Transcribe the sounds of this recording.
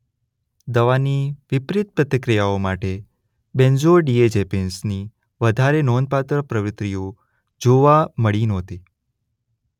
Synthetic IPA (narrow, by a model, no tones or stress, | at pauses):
d̪əʋaniʋɪpɾɪt̪̚pɾət̪əkɾijaomaʈe | bẽnd͡ʒoɖied͡ʒɛpensni | ʋəd̪ʱaɾenɔnpat̪ɾəpɾəʋɪt̪ɾijo | d͡ʒoʋaməɭinɔ̃t̪i